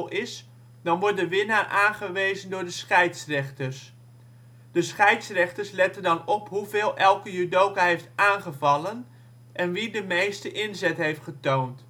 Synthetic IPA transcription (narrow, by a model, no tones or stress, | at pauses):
lˠɪs | dɑnʋɔɹt̚dəʋɪnaːʔaːnχəʋejzəndʊːɹdəsχɛjtsrɛχtəɹs | d̥əsχɛjtsrɛχtəɹslɛtəndɑnɔpɦuvɪːlˠʔɛlˠkəjydowkaɦejftaːnχəvɑlən | ʔɛnʋidəmejstəʔɪnzɛtɦejftχətownt